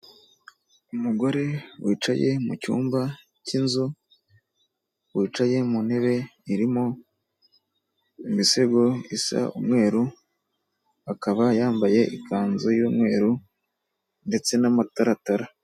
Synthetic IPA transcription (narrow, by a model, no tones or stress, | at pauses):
umuɡo̞ɾe̞wiːt͡ʃa̰je̞̰mucṵːmba | cinzu | wiːt͡ʃaje̞mun̥he̞βe̞iɾimo | imiseɡo̞isa̰umŋe̞ːɾu | akaβajaːmbaje̞ʔikʰaːnzojuːmŋe̞ːɾu | nde̞t͡se̞namataɾataɾa